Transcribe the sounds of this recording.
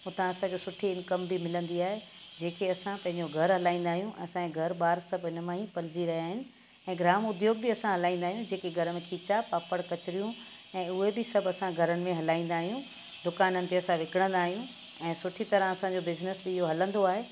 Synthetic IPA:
ʊt̪ãɐsãkosʊʈʰiɪnkəmbimɪlə̃nd̪iaːɦed͡ʑeːkʰeɐsãpɐ̃ɦɪ̃ɲd͡ʑoɡʱɐɾɦɐlaːĩːnd̪aːɦijũʔɛ̰̃ɐsãẽɡʱɐɾɓaːɾsɐbɪnmãːɦipɐlɪd͡ʑiɾɐɦijaːɦɪnɪ̆ | ɛ̃ːɡɾaːmʊd̪joːɡ̚bɪɐsãɦɐlaːĩnd̪aːɦijũd͡ʑeːkeɡʱɐɾəmẽkʰiːt͡ɕapaːpəɽkɐt͡ɕɪɾijũ | ɛ̃ːʊɦebɪsɐbɐsãɡʱɐɾənɪ̆mẽɦɐlaːĩːn̆d̪aːɦijũ | d̪ʊkaːnənɪ̆t̪eɐsãʋɪkɪɽ̃ə̃nd̪aːɦijũ | ɛ̃ːsʊʈʰit̪ɐɾə̃ɐsãɲd͡ʑobɪznəsbɪɪɦoɦɐlə̃nd̪oaːɦe

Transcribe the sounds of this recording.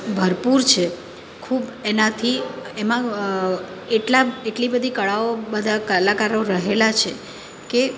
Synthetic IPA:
bʱəɾpuɾt͡ʃʰe | kʰubenat̪ʰiemã | eʈlaeʈlibəd̪ʱikəɭaobəd̪ʱakəlakaɾoɾəɦelat͡ʃʰe | ke

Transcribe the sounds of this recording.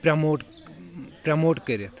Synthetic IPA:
pɾɐmoːʈ | pɾɐmoːʈkəɾet̪ʰ

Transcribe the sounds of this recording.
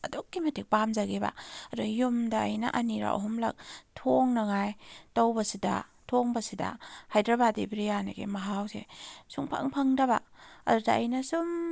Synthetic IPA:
ɐdok̚ːimɐtʰik̚pamzaɡeba̰ɐdujumdaːjna̰ʔɐniɾa̰ʔɐ̰ɦumlɐ̰k̚tʰoŋnɐŋajtawbɐsida̰ | tʰoŋbɐsida̰hajdɾɐbadibɾijanaɡḛmɐɦawsḛsuŋpʰa̰ŋpʰaŋdɐba̰ɐ̰dudaɐjnɐsum

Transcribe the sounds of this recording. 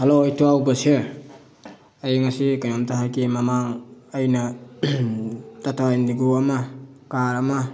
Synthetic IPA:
halojtuawbasia | ajŋasikanamtaɦakemamaŋajna | tatajndiɡuamakaɾama

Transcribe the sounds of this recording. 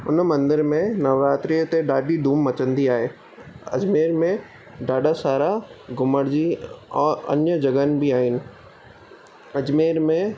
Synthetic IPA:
ʊnmɐ̃nd̪ɪɾmẽnɐʋɾaːt̪ɾijət̪eɖaːɖid̪ʱuːmːɐt͡ɕə̃nd̪iaːɦeː | ɐ̰d͡ʑmeːɾmẽ | ɖaːɖasaːɾaɡʊməɽd͡ʑiɔːɾɐ̰njəd͡ʑɐɡənbiaːɦɪnɪ̆ | ɐd͡ʑmeːɾmẽ

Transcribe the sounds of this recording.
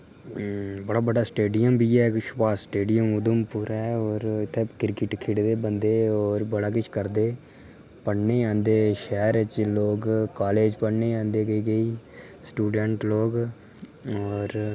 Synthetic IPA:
bəɽaːbəɖaːsʈeːɖijəmbʱiːɛːkʃpaːsʈeːɖijəmʊd̪əmpʊɾaɛɔːɾɪt̪ʰːeːkɪɾkɪʈkʰɪɽd̪eːbənd̪eːɔːɾbəɽaːk̬ɪt͡ʃʰkəɾd̪eː | pəɽneːãːnd̪eːʃɛːɾɪt͡ʃloːkkaːleːd͡ʒpəɽneːãːnd̪eːɡəiːɡəiː | sʈuːɖɛɳʈloːɡ | ɔːɾ

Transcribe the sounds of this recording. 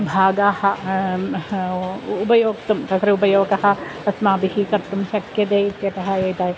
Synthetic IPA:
bʱaːɡaːhɐ̆ | upɐjoːkt̪ɐmk̪ɐkɾeupɐjoːkɐɦɐ̆ɐsmaːbiɦikɐɾt̪umʃɐkjɐt̪eːit̪jɐt̪ɐɦɐjoːjt̪aːj

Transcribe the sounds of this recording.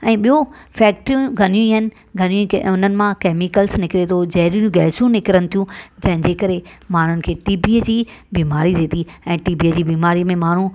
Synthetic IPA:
ɛ̃ːɓijõfɛːk̚ʈɾijũɡʱɐnijũiɦənɪ̆ | ɡʱɐnijũʊnənɪ̆mãkeːmikəlsnɪkɪɾet̪ʰod͡ʑɐɦɾijũjũɡɛːsjũnɪkɪɾəñɪ̃t̪ʰijũd͡ʑɐ̃ɦɪ̃ɲd͡ʑeːkəɾemaːɳ̤ʊnɪ̆kʰeːʈiːbiːd͡ʑiːbiːmaːɾid̪eːt̪iɛ̃ːʈiːbiəd͡ʑiːbiːmaːɾimẽmaːɳ̤ũ

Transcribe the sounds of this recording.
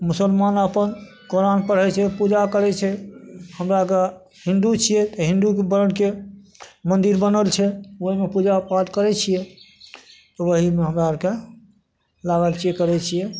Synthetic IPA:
musəlmanəpən | koɾanpəɽ̤ɦɛt͡ʃʰɛpud͡ʒakəɾɛt͡ʃʰɛhəmɾaɡa | ɦĩnd̪ut͡ʃʰijɛt̪ɔɦĩnd̪ukebəɾəɽke | mənd̪iɾbənəlt͡ʃʰɛoɦimepud͡ʒapad̪kəɾɛt͡ʃʰijɛ | t̪ɔʋəɦimeɦəmɾaəɾke | laɡəlt͡ʃʰiekəɾɛt͡ʃʰijɛ

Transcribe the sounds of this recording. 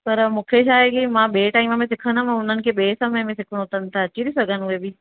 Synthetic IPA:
pɐɾmũːkʰeʃaːɦekimãɓeːʈaːɪmə̃mẽsɪkʰənamãʊn̤ənɪ̆kʰeɓeːsəməmẽsɪkʰəɽ̃oʊt̪ən̆t̪ʰaɐt͡ɕiɾisɐɡʱənʊebɪ

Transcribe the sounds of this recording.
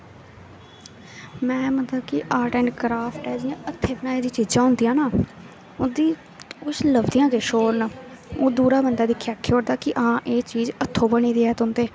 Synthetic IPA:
mɛ̃ːmət̪akɪʔaːɾʈɛ̃ːɳʈkɾaːpʰʈɛːd͡ʒɪjãːət̪ʰːeːbɪnãːeːd̪iːt͡ʃiːd͡ʒãːɦʊnd̪ijãːnaː | ʊd̪iː | ʊsləbd̪ɪjãːkeʃoːɾn | oːd̪uːɾaːbənd̪aːd̪ɪkʰːejaːkʰːeoːɾd̪aːkɪʔɦãːʔeːt͡ʃiːzət̪ʰːõːbəɳiːd̪iːɛːt̪ʊnd̪eː

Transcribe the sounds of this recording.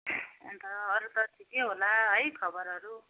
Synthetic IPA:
ent̪ʌːɾut̪ʌt̪ʰikeɦolaɦʌjkʰʌbʌɾʌɾu

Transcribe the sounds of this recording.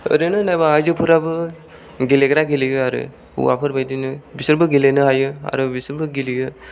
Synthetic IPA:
ɯ̰ɾɯnɯnajbaajzɯpʰɯɾabɯ | ɡileɡɾaɡiliɡɯaɾɯ̰ | ṵwa̰pʰɯɾbajdinɯbisɯɾbɯɡilenɯɦajɯa̰ɾɯbisɯɾbɯɡiliɡɯ

